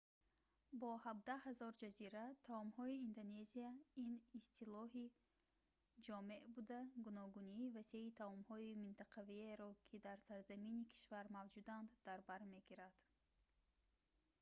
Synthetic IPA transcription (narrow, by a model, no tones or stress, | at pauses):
bɔhab̚d̪ahazɔɾd͡ʒaziɾat̪ʰaɔmhɔiːnd̪one̞ziainist̪ʰilɔɦi | d͡ʒɔme̞ʔbud̪aɡunɔɡuniːvaseit̪ʰaɔmhɔimint̪ʰaqʰavieɾɔkʰid̪aɾsaɾzaminikʰi̥ʃvaɾmavd͡ʒud̪and̪ːaɾbaɾme̞ɡiɾad̪̥